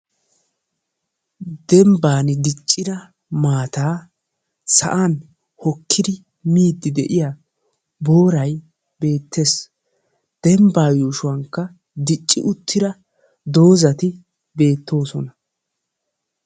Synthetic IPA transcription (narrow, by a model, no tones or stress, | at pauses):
d̪̥ɛmbaːnɪd̪ɪt͡ʃʼːɪd̪ɐ | maːt̪aː | sɐ̰ʔan | hɔkʰːɪd̪ɪ | miːd̪ːɪd̪ɛʔɪjaː | bo̞ːɾɐj | be̞ːt̪ːes | d̪̥ɛmbaːjuːʃʊwɐŋkːɐ | d̪ɪt͡ʃʼːɪ̰ʔʊt̪ʰːɪd̪ɐ | d̪o̞ːzɐt̪ɪ | be̞ːt̪ːo̞ːsɔnɐ